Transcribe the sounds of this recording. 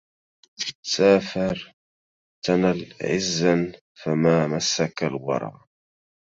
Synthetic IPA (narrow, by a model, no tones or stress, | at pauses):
saːfɑɾˤ | t̪analʕɪzːan | famaːmasːakalwɑ̰ɾˤɑ̰ː